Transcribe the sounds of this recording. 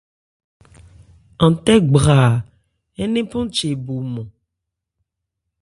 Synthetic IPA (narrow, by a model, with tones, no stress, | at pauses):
ã˨t̪ɛ˦ɡ͡bʁa˨ | e˦nẽ˦pɔ̃˦t͡ʃe˨bo˨mɔ̃˨